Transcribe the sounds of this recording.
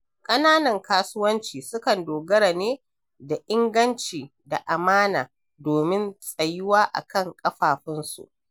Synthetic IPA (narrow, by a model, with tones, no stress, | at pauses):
kʼɐ˦naː˦nɐ˨ŋkaː˦sʊ˦wɐ˦nt͡ʃiː˨sʊ˦kɐ˨ndoː˨ɡɐ˦ɾa˨neː˦ | da˨ʔɪ˦ŋɡɐ˦nt͡ʃiː˨da˨ʔa˨maː˦naː˨ | doː˨mɪ˦nsʼɐ˨jɪ˦waː˦ʔa̰˨kɐ˦˨ŋkʼɐ˦ɸaː˨ɸɪ˦nsṵ˨ʔ